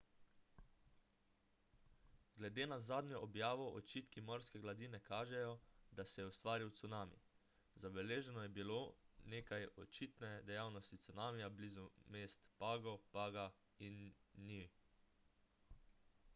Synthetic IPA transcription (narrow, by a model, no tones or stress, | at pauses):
ɡ̥lɛd̪eːnazaːd̪nɲjɔʔɔbjaːʋɔʔɔt͡ʃit̪kimɔɾskɛɡlad̪iːnɛkʰaːʒɛjɔd̪asɛjɛust̪ʋaːɾiwt̪sunaːmḭ | zabɛleːʒɛnɔjɛbiloneːkajɔt͡ʃit̪nɛd̪ɛjaːwnɔst̪it̪sunaːmijabliːzumeːst̪paːɡɔpaːɡa | inːi